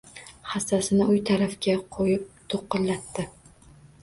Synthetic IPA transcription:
χast̪asɪnɪʊjt̪ʰaɾafkʲaqʰojɪp̚t̪ʰoqːɨllat̪ːɪ

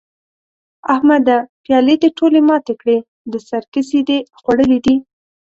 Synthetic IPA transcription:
ahmad̪apjɑled̪əʈʰolemɑt̪ekɽe | d̪əsaɾkəsid̪exwaɽəlid̪i

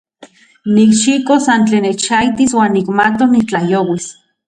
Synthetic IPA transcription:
nikʃikosant͡ɬeːnːet͡ʃajt̪iswaːnːikmat̪onit͡ɬajoːwis

